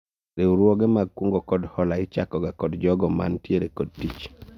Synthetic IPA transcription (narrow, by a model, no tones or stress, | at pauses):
ɾeuɾuɔɡɛmaɡ̚kwuŋɡɔkɔdhɔlaɪt͡ʃakɔɡakɔdd͡ʒɔɡɔma̰ntieɾekɔd̚tit͡ʃ